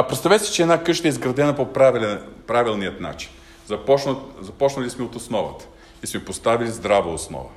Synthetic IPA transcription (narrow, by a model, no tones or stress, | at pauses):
ɐpɾɛt̪st̪ɐvɛsi̥t͡ʃɛdnakɤʃt̪əɛizɡɾɐd̪ɛnɐpopɾalpɾavilˠnijət̪na̰t͡ʃi̥n | zɐpɔt͡ʃnəzɐpɔt͡ʃnəlʲismiot̪osnɔvə̰t̪ə̥ | ismɛpost̪avilʲizd̪ɾavəosnɔ̰və̰